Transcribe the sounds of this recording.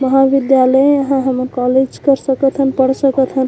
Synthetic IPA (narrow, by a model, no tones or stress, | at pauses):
məɦãbid̪jalə̃əɦãɦəməɾkɔled͡ʒkəɾsəkət̪ʰənpəɽsəkət̪ʰɦən